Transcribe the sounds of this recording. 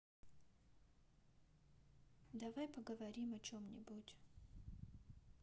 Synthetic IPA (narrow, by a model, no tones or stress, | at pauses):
d̪ɐvajpəɡəvɐɾʲimɐt͡ɕomnʲɪ̰butʲ